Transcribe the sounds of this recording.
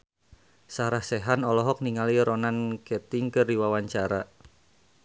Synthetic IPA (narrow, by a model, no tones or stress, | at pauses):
saɾahsɛɦanɔlɔɦɔk̚niŋaliɾɔnankɛt̪iŋkɨrdiwawaɲt͡ʃaɾa